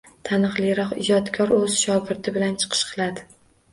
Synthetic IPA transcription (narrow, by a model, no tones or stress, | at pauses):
t̪ʰanɨχlˠɪjɾɒqɪd͡ʒɒt̪kʰɒɾɵz̥ʃɒbʲɪɾt̪ʰɪbɪlant͡ʃʰɨ̥qʰɨ̥ʃqʰɨlˠad̪ɪ